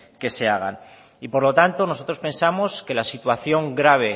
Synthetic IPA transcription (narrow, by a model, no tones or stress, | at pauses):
ke̞se̞aɣ̞a̰n | ipo̞ɾlo̞t̪ant̪o̞no̞so̞t̪ɾo̞spe̞nsamo̞ske̞lasit̪waθjo̞ŋɡɾaβ̞e̞